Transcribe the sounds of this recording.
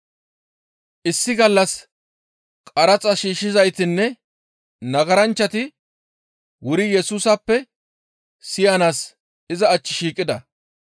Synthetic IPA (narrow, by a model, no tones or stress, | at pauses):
ʔɪsːɪɡɐlːɐs | kʼɐɾɐt͡sʼɐʃiːʃːɪzɐjt̪ɪnːɛ | nɐɡɐɾɐnt͡ʃːɐt̪ɪ | wʊɾɪjɛsuːsɐpːɛ | sɪjɐnaːs | ɪzɐːt͡ʃːɪʃiːkʼːɪd̪ɐ